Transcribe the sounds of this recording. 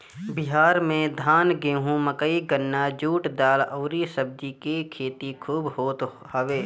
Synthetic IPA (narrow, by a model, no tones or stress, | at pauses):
bɪɦaːɾmẽd̪ʱaːnɡẽːɦũməkəiɡənːad͡ʒuːʈd̪aːlɔːɾisəb̚d̪ikekʰeːt̪ikʰuːbɦoːt̪ | həʋeː